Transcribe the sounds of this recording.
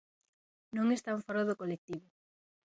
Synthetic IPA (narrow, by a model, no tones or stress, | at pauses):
nõŋest̪auɱfɔɾoðokolek̚t̪iβʊ